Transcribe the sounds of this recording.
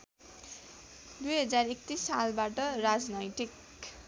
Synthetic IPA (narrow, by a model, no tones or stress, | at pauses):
d̪ujɦʌd͡zarek̚t̪isːalbaʈʌrad͡znʌjʈik